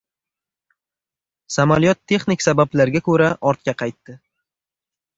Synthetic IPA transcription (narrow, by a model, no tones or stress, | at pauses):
samalijɒt̪ʰːe̞χnɪkʲsabablaɾɡʲakʰɵɾaʔɒɾt̪̚kʲaqʰɑjt̪ːɪ